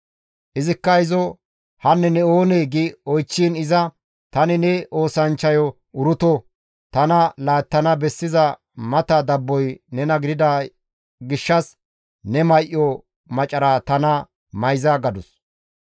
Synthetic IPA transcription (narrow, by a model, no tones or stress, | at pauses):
ʔɪzɪkːɐɪzɔ | hɐnːɛnɛo̞ːneːɡɪɔjt͡ʃːiːnɪzɐ | t̪ɐnɪnɛʔo̞ːsɐnt͡ʃːɐjɔ | ʊɾʊt̪ɔ | t̪ɐnɐlaːt̪ːɐnɐbɛsːɪzɐ | mɐt̪ɐd̪ɐbːɔjnɛnɐɡɪd̪ɪd̪a | ɡɪʃːɐs | nɛmɐjʔːɔ | mɐt͡ʃʼɐɾaːt̪ɐnɐ | mɐjzaɡɐd̪ʊs